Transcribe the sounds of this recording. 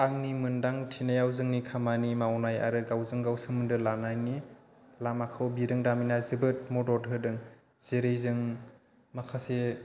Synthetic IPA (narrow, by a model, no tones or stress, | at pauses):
aŋnimɯndaŋtʰinajawzɯŋnikʰamanimawnaja̰ɾɯɡawzɯŋɡawsɯmɯndɯlanajni | lamakʰɯwbiɾɯŋdaminazɯbɯt̚mɔdɔɾɦɯdɯŋ | z̥eɾejzɯŋ | makʰase